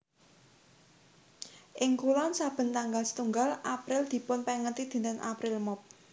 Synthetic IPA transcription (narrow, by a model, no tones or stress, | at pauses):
ʔɪŋkulɔnsab̥ə̤nt̪aŋɡalsə̥t̪uŋɡalʔapɾɪld̪̥i̤pʊnpɛŋət̪id̪̥i̤nt̪əŋʔa̰pɾɪlmɔp̚